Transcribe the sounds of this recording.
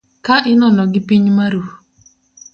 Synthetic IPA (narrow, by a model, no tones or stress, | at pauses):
kaʔɪnɔnɔɡɪpiɲmaɾu